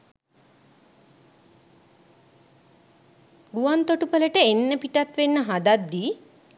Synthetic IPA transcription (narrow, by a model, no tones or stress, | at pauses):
ɡuʋant̪oʈupələʈəenːəpiʈat̪ʋenːəɦad̪ad̪ːiː